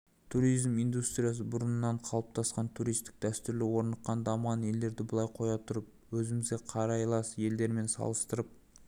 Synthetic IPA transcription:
t̪ʰuɾijzmijnd̪ust̪ɾʲijas̬əbʊɾənənːɑɴqʰɑlˠəp̚t̪ʰɑsqɑnt̪ʰuɾijst̪ɪ̥k̚d̪̥æst̪ʏɾlɪwo̞ɾnɑqqːɑnd̪ɑmʁɑnje̞ld̪e̞ɾd̪ɪbʊlˠɑjqʰo̞jɑt̪ʰʊɾəp̚wɵzɪmɪzɡʲeqʰɑɾɑjlˠɑsje̞ld̪e̞ɾme̞nsɑ̰lˠəst̪əɾəp̚

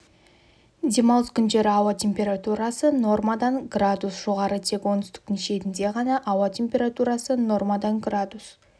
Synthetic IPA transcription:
d̪ʲe̞mɑlˠəskʲʰʏnʒe̞ɾɪɑwɑt̪ʲʰe̞mpʲe̞ɾat̪uɾɑsəno̞rmad̪ɑɴɡrad̪usʒ̥o̞ʁɑɾət̪ʰe̞kwo̞nʏst̪ɪ̥kt̪ɪŋʃe̞t̪ɪnd̪e̞ʁɑnɑʔɑwɑt̪ʲʰe̞mpʲe̞ɾat̪uɾɑsəno̞rmad̪ɑŋɡrad̪us

